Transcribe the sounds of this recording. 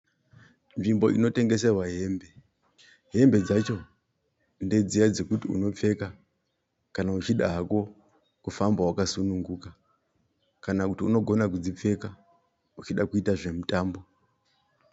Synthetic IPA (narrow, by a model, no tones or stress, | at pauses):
nʐimbo̞ḭno̞te̞ŋɡe̞s̬erwaɦe̞ːmbe̞ | ɦe̞mbe̞d͡zat͡ʃo̞ | nde̞d͡zijad͡ze̞kutiṵno̞p͡fe̞ka | kanaut͡ʃiɗaɦako̞ | kufambawakasunuŋɡuka | kanakutiuno̞ɡʱo̞nak̬ud͡zip͡fe̞ka | ut͡ʃiɗakuitaʐe̞mutaːmbo̞